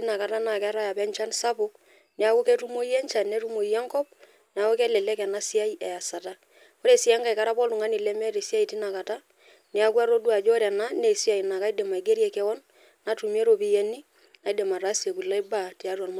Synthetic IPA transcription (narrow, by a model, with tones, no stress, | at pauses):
ti˦na˨ka˨ta˦na˨kɛ˦ɾa˦ja˨pɛ˦ɲt͡ʃa˦nsa˦pʊ˦k̚ | nɛ˨a˦wu˦kɛ˦tu˦mo˦jɛ˦ɲt͡ʃa˨nːe˦tu˦mo˨jɛ˦ŋkɔ˦p̚ | ne˨a˨wu˦kɛ˦lɛ˨lɛ˦kɛ˨na˦si˦a˦i˦ɛ˨a˨sa˨ta˦ | ko˦ɾe˨si˦ɛ˦ŋɡa˨i˨ka˦ɾa˦pɔ˦lu˨ŋa˦ni˨lɛ˦mɛ˦ɾi˨si˦a˦i˨ti˦na˨ka˨ta˦ | nɛ˦a˦kwa˦ɾo˦du˦a˨d͡ʒɔ˦ɾɛ˨na˦ne˨si˦a˨i˨na˨ka˦i˦de˨ma˨i˨ɡe˦ɾjɛ˨kɛ˦wɔ˦nː | a˨tu˨mi˦e˦ɾo˨pi˦jɛ˦ni˦ | na˨i˦dɛ˨ma˨ra˦si˨e˨ku˨la˦i˦ba˦˨ti˨a˦ɾwɔ˨nm